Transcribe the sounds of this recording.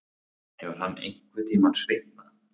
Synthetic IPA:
hɛvʏɾ̥hanːḛjŋ̥kvɪt̪ʰiːmansveht̪na

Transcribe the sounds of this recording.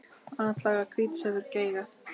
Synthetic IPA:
anːat̪laːɣakʰviːt̪sɛðʏɾceːjɣaθ

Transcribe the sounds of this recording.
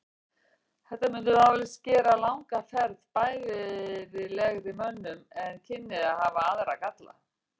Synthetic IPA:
θɛht̪amʏnt̪ʏawvɛlɪscɛːɾalawŋkafɛɾðpaːjlɪɾɪlɛɣɾɪmœnːʏmɛncʰɪnːɪðaðhavaaðɾakat̪la̰

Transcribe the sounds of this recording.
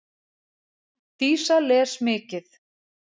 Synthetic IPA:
t̪iːsalɛ̥ːsmɪːcɪθ

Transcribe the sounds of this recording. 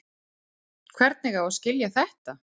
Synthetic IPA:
kʰvɛɾt̪̚nɛɣawaðscɪljaθɛht̪a

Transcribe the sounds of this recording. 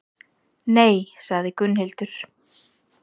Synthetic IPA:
neːjsaɣðɪkʏnhejlt̪ʏɾ̥

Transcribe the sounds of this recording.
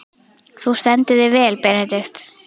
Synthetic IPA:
θust̪ɛnt̪ʏðɪvɛːlpɛnɛt̪ɪxt̪

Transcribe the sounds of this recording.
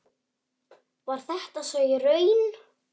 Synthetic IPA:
vaɾ̥θɛht̪asœːɥjɪrœːɥn

